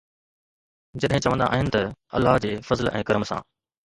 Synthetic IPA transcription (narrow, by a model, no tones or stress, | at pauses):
d͡ʑɐɗɦɪ̃t͡ɕɐʋə̃nd̪a̰ʔaːɦɪnɪ̆t̪ɐɐ̰lːaɦd͡ʑeːfɐzlʔɛ̃ːkɐɾmsã̰ː